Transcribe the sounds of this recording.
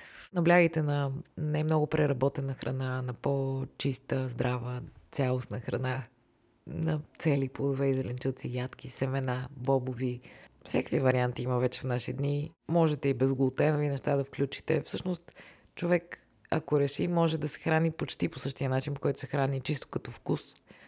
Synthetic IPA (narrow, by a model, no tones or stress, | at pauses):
nɐblʲaɡəjt̪ɛnɐnajmnɔɡʊpɾɛɾɐbɔt̪ɛnəxɾʔɐ̰nanɐpot͡ʃist̪əzd̪ɾʔavət̪sʲalˠosnəxɾɐna | nɐt̪sɛliplˠod̪ovɛizɛlɛnt͡ʃut̪sijat̪k̟ʲisɛmɛnabɔbovifsjakvivɐɾiant̪iiməvɛt͡ʃɛ̥fnaʃid̪nimɔʒɛt̪ɛibɛzɡolˠt̪ɛnovinɛʃt̪ad̪ɐfklʲut͡ʃi̥t̪ɛfsɤʃnost̪ | t͡ʃovɛk | ɐ̰koɾɛʃimɔʒɛd̪ɐsɛ̥xɾanipot͡ʃt̪iposɤʃt̪iənat͡ʃinpo̥kɔjt̪ʊ̥sɛxɾanit͡ʃist̪o̥kɐt̪ɔfkus